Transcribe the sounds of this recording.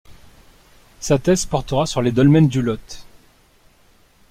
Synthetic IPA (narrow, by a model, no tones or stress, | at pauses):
sat̪ɛzpɔʁt̪əʁasyʁled̪ɔlmɛnd̪ylɔt̪